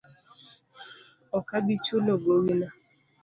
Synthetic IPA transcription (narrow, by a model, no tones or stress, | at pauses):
ɔkabit͡ʃʊloɡoŋila